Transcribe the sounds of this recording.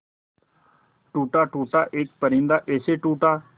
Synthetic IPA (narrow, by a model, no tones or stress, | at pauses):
ʈuːʈaːʈuːʈaːʔɪːk̚pəɾĩːnd̪aːʔeːseːʈuːʈaː